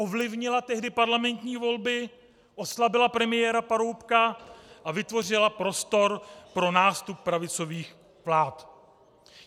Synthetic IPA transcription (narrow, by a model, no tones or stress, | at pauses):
ʔo̞vlɪvɲɪlat̪ɛɦdɪpaɾlamɛnt̪ɲiːvo̞lbɪ | ʔo̞slabɪlapɾɛmɪjɛːɾapaɾo̞wpkaʔavɪt̪vo̞r̝ɪlapɾo̞st̪o̞ɾpɾo̞naːst̪up̚ːɾavɪt͡so̞viːx | vlaːt̪